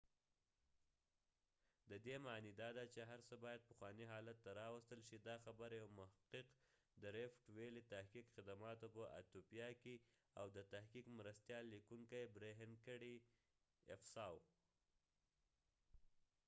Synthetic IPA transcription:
d̪əd̪emɑnid̪ɑd̪at͡ʃeɦaɾsəbɑjad̪̚pəxwɑniɦɑlat̪ːaɾɑwəst̪əlʃid̪ɑxabəɾjawmʊhaqɪq | d̪əɾefʈwelit̪ahkikxɪd̪amɑt̪opəʔa̰t̪opijɑke | a̰wd̪ət̪ahkikmɾast̪jɑlːikuŋkajbɾeɦɪnkəɽi | ɪfsɑw

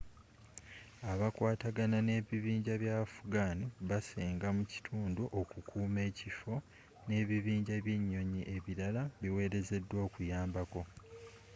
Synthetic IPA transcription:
aβakwaːtaɡanane̞ːβiβiːɲɟaβjafuɡaːniβaseːŋɡamuci̥tʰuːnduʔokukʰuːme̞ːcifo̞ | ne̞ːβiβiːɲɟaβje̞ɲːo̞ɲiʔe̞βiɾalaβiwe̞ːɾe̞ze̞dːwo̞ːkujaːmbako̞

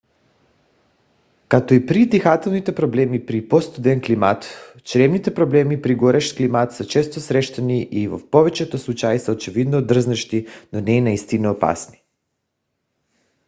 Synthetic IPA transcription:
kat̪oipɾit̪ixat̪elˠnit̪epɾobleːmipɾipost̪ud̪enklimat̪ | t͡ʃɾemnit̪ɛpɾoblemipɾiɡoɾeʃklimat̪sat͡ʃest̪osɾeʃt̪aniʔiʋo̰poʋet͡ʃet̪oslˠut͡ʃajsaot͡ʃiʋid̪nod̪r̩znaʃt̪inonɛnaist̪inoopa̰sni̥

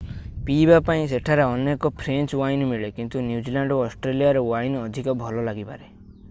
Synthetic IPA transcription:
pibapaĩs̬eʈʰaɾeɔnekɔpʰɾent͡ʃwajnmiɭekint̪unjud͡ʒilaɳɖoɔsʈɾelijaɾɔwajnɔd̪ʱikɔbʱɔlɔlaɡipa̰ɾe

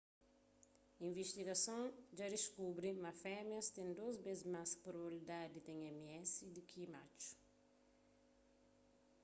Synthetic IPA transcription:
ĩɱveʃt̪iɡɐsõŋd͡ʒad̪iskubɾimɐfɛmjɐst̪ẽŋd̪ozbezmaspɾobilid̪ad̪it̪ẽŋɛmiɛsid̪ukʰimat͡ʃu̥

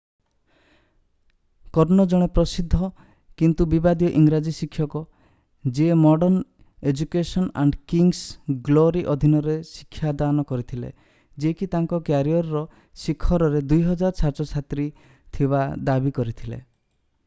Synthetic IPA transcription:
kɔɾnɔd͡ʒɔɽ̃epɾɔsid̪ʱːɔ | kint̪ubibad̪jɔʔiŋɡɾad͡ʒisikʰːjɔkɔ | d͡ʒiemɔɖɔn | ed͡ʒukesɔna̰ɳɖkiŋsɡloɾiʔɔd̪ʱinɔɾesi̥kʰːjad̪anɔkɔɾit̪ʰilḛ | d͡ʒekit̪aŋkɔkjaɾijɔɾːɔ | sikʰːɔɾɔɾed̪ujɦɔd͡ʒaɾt͡ʃʰaɾt͡ʃɔt͡ʃʰat̪ɾi | t̪ʰiβad̪abikɔɾit̪ʰilḛ

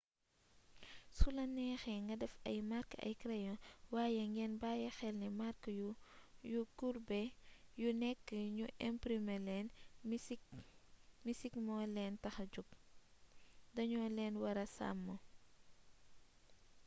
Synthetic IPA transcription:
sulɐnːɛːxɛŋɡɐdɛfɐ̰jmarkɐ̰jkɾɛjɔwaːjɛŋɡɛːnbaːjɛxɛlnɛmaɾkjujukurbɛjunɛkːəɲuʔɛmpɾimɛlɛn | misikmɔːlɛntɐxɐd͡ʒup̚ | dɐɲɔːlɛːnwɐɾɐsa̰mːɔ

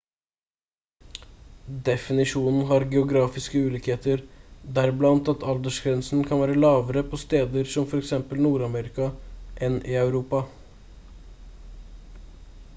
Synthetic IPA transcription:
d̪ɛfɪnɪʂuːnn̩ɦɑɾɡɛʊɡɾɑːfɪskəʉːliːkheːt̪əɾd̪æɾblɑnt̪ɑt̪ʰɑld̪əʂɡɾɛnsn̩kʰɑnʋæːɾəlɑːʋəɾəpʰɔst̪eːd̪əɾsɔmfɔɾɛksɛmpəlnuːɾɑmeːɾɪkɑʔɛnɪɑʉɾuːpɑ

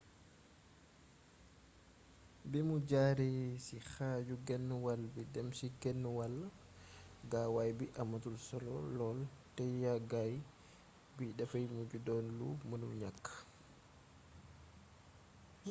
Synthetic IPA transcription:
bimud͡ʒaːɾisixaːd͡ʒuɡɛnːwalbidɛmsiɡɛnːwalːa | ɡawajbiʔamatulsɔlɔ̰lɔltɛjjaɡaj | biɗɛfajmud͡ʒudɔnlumunumɲakːḁ

